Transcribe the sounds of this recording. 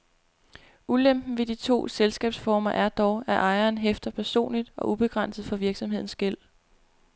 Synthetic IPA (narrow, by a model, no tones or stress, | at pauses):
ulem̰b̥n̩ʋe̝d̥it͡sʰo̝̰ːselsɡ̥ɛ̰ːb̥sfɒːmɐʔæɐd̥ɒʊæʔɑ̈ɪɐːnɦefd̥ɐpʰæɐso̝̰ːnlid̥ɒ̽ʔub̥e̝ɡ̥ʁɑn̰səð̩ˠfɒ̽ʋiɐɡ̥sɒ̽mɦe̝ð̰ˠn̩sɡ̥el̰